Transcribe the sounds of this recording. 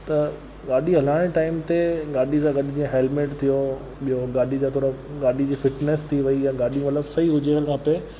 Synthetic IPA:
t̪ɐ | ɠaːɗiɦɐlaːɪɽ̃ʈaːɪmt̪eɡaːɗʱisãɡɐɗid͡ʑiẽɦeːlmeːʈt̪ʰijo | ɓijoɡaːɗʱid͡ʑaːt̪ʰoːɾəɡaːɗʱid͡ʑiːfɪʈnest̪ʰiʋɐijãɡaːɗijũmɐt̪ləbsɐiɦʊd͡ʑeəlkʰãpe

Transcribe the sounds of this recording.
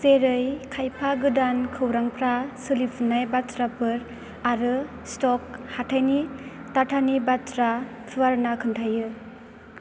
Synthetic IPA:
zeɾɯjkʰajpʰaɡɯdankʰɯwɾaŋpʰɾasɯlipʰɯnajbatɾapɯɾ | aɾɯ | stɔk̚hatʰajnitatʰanibatɾatʰɯaɾnakʰɯntʰajɯ

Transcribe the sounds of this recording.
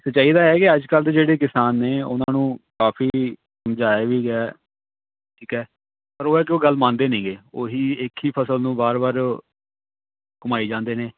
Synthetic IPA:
sət͡ʃaːiːd̪aːɛːkɪəd͡ʒkəlt̪ed͡ʒeːɽeːkɪsaːnːeːʊ̰nãːnũːkaːfiː | səmd͡ʒaːeʋiːɡɛː | ʈʰiːkɛː | pəɾoːɛːkɪoːɡəlmãːnd̪eːneĩːɡeːoːɦiːɪkʰiːpʰəsəlnũːbaːɾbaːɾ | kʊmaːiːd͡ʒãːnd̪eːneː

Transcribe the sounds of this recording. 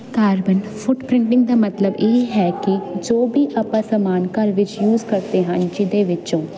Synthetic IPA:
kaːɾbənfʰʊʈpɾɪ̃ɳʈɪ̃ŋɡd̪aːmət̪ləbeːɦɛːkɪd͡ʒoːbiːʔəpãːsəmaːnkəɾʋɪt͡ʃjuːzkəɾd̪eːɦənd͡ʒɪd̪eːʋɪt͡ʃõː

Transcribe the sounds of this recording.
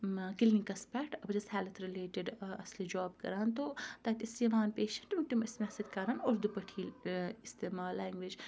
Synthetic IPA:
kɪlnĩkɐspɛːʈʰɐbɐd͡ʒɐshɛːlɐt̪ɾɪleːʈɪɖɐslid͡ʒɔːbkɐ̰ɾaːnt̪oːt̪aːt̪siːʋaːnpeːʃɐnʈmiʈimɪsmɛsɐd̪kaːɾanoːɾd̪upɐʈʰiːlɪst̪eːmaːlːɛːŋɡʋid͡ʒ

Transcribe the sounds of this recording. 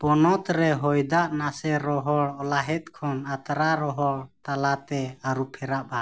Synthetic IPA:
pɔnɔt̪ɾɛɦɔjd̪aʔnasɛɾɔɦɔɽɔlaɦɛt̪̚kʰɔnat̪ɾaɾɔɦɔɽt̪alat̪ɛaɾupʰɛɾaʔba

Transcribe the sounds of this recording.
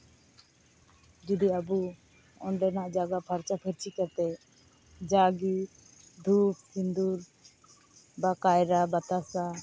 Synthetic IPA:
d͡ʒid̪iabu | ɔ̰ɳɖɛnaʔd͡ʒaɡaʔpʰaɾt͡ʃapʰəɾt͡ʃʰikat̪ɛ | d͡ʒaɡi | d̪ʱup̚kind̪uɾ | bakajɾabat̪asa

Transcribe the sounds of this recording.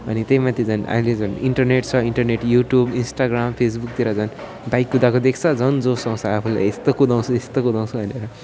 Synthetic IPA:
ʌnit̪ejmat̪ʰid͡zʌna̰ɦĩled͡zʌniɳʈʌrneʈ̚t͡sʰʌiɳʈʌrneʈjuʈjubinsʈaɡrampʰes̬buk̚t̪iɾʌd͡zʌn | bajkɡud̪akod̪ekʰt͡sʰʌd͡zʌnd͡zosãw̃t͡sʰʌapʰula̰jest̪okud̪aw̃t͡sʰuest̪okud̪aw̃t͡sʰubʱʌneɾʌ

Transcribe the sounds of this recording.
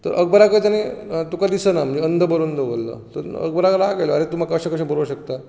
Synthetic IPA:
t̪əɾʔəɡ̚bəɾakət̪anet̪ukad̪isənam̤əd͡ʑiənd̪ʱəbəɾond̪əɡolːə̰t̪əɾə̰ɡ̚bəɾakəɾakajloaɾet̪umakaəɕẽkəɕẽbəɾəwɕəkt̪a

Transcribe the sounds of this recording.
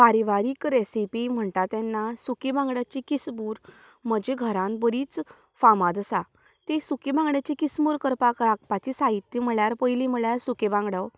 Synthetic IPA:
paɾiʋaɾiːkɾesipim̤əɳʈ̪at̪jɛnːasukebãŋɡɽjat͡ɕikisbuːɾ | məd͡ʑeɡʱəɾãnbəɾiːt͡s | famad̪əsa | t̪esukebãŋɡɳjat͡ɕikismuɾkəɾpakɾakpat͡ɕisaɦit̪ːjəm̤əɭjaɾpəjlim̤əɭjaɾsukebãŋɡɽaw

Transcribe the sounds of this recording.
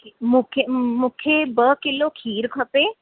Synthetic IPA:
mʊkʰmʊkʰjebəkɪlokʰiːɾkʰɐpeː

